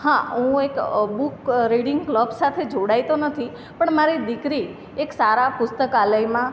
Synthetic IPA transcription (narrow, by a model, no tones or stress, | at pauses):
hãɦũekbukɾiɽɪŋɡkləbsat̪ʰed͡ʒoɽait̪onət̪ʰi | pəɳmaɾid̪ɪkɾi | eksaɾapʊst̪əkaləjmã